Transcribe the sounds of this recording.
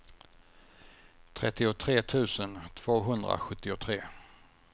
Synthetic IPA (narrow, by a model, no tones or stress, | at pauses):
t̪ʰɾɛt̪ːɪʊt̪ʰɾeːt̪ʰʉ̟ːsənt̪ʰv̥oːɦɵnd̪ɾa̰ɧɵt̪ːɪʊt̪ʰɾeː